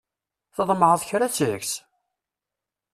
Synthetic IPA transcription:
θəðˤmʕəðˤçɾat͡sːəks

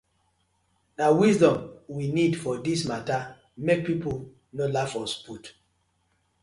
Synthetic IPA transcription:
nawisdɔ̃mwinidfɔdismata | mek̚pipu | nolafɔsput

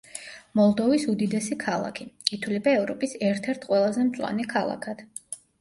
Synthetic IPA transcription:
mɔlˠd̪ɔvisud̪id̪ɛsikʰalˠa̰kʰikʼit̪ʰulibaɛvɾɔpʼisɛɾt̪ʰɛɾt̪ʰqʼwɛlˠazɛmt̪sʼwa̰nikʰalˠa̰kʰad̪̥

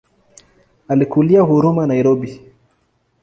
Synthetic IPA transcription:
alikuliahuɾumanaiɾɔbi

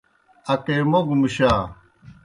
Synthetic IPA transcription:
ɐkeːmoɡmuɕaː

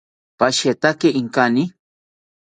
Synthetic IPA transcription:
paʃet̪akeʔiŋkani

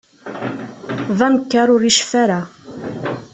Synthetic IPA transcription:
ðˤɑməkːaɾˤʊɾiʃfæɾa

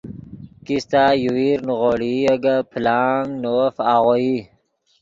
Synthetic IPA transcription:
kist̪ajuwiɾnʁoɽiəɡapʰlaːŋɡnofaːʁoi

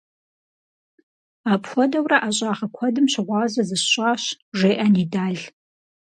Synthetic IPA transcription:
aːpχʷɔdɐwrɐʔaɕʼaːʁɐkʷʰɔdɨmɕɪʁʷɑːzɐzɨɕɕʼaːɕ | ʒeːʔɐniːdaːɮ

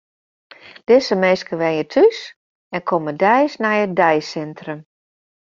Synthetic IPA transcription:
d̥ɪsəmejskəʋɛnjətʰys | ɛnkʰomədɛjsnɛjət̚dɛjsɛntrəm

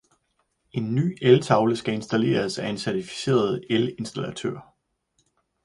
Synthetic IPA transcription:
e̝nːy̰ːelt͡sʰɑ̈ʊləsɡ̥æe̝nsd̥æle̝̰ːɐsæe̝nsæɐt͡sʰifi̥se̝̰ːɐð̞̩ˠele̝nsd̥ælæt͡sʰø̰ɐ̰

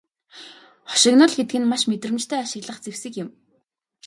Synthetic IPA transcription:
χɔ̥ʃɪ̆knʊ̆ɮxet̪̚ɡɘ̆nmaʃmet̪rɘ̆mt͡ɕt̪ʰœːaʃɪ̆ɣɮə̆χt͡sewsɘ̆kjɪ̆m

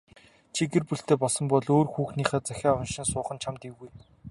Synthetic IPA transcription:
t͡ɕʰiɡerpuɬt̪eːpɔɮsɞ̆mpɔɮoːrxuːxniːχæːt͡sæxʲaːʊnʃɪ̆nsʊːχə̆nt͡ɕʰamt̪iɣuj

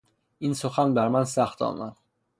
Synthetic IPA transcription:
ʔinsoxænbæɾmænsæxt̪ɒ̰ːmæn

